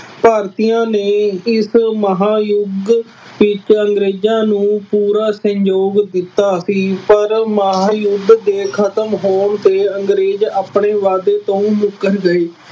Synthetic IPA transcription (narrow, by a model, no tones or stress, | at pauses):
paːɾt̪ijãːneːɪsməɦaːjʊɡ | ʋɪt͡ʃəŋɡɾeːd͡ʒãːnũːpuːɾaːsəɲd͡ʒoːɡd̪ɪt̪ːaːsiːpəɾməɦaːjʊɡ̪d̪eːkʰət̪əmɦoːmt̪eːəŋɡɾeːd͡ʒaːpɳeːʋaːd̪eːt̪õːmʊkːəɾɡəeː